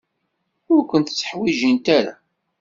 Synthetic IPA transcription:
ʊɾkʷənt̪t͡sːə̥ħwiʒənt̪æɾa̰

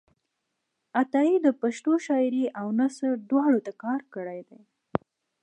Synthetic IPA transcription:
at̪ɑid̪əpaʃt̪oʃɑjɾiʔawnasəɖ̪wɑɽot̪akɑɾkəɽajd̪e

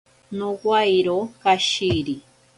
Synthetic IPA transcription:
nowajɾokaʃiɾi

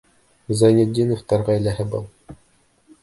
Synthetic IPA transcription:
zɑnʲed̪ʲːinoft̪ɑɾʁɑjlæɦɘbɤlˠ

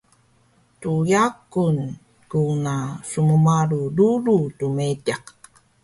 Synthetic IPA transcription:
tujakun | kunasumumaɾuduɾutumetaq

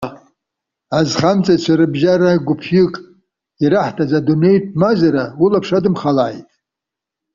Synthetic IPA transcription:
azχamt͡sʼat͡ʃʷʰaɾɨbʒaɾaɡʷʊpʰʏkʼ | iɾaħtʰazadunejt̚ʰʼmazaɾaulapʰʂadɨmχalajtʼ

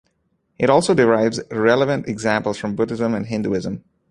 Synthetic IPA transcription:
ʔɪɾɔːlˠsoːdɪɹaɪvzɹɛləvə̃ntɛɡzæ̃mpəl̩ˠsfɹɔ̃mbʊdɪzə̃mæ̃nɦɪ̃nduɪzə̃m

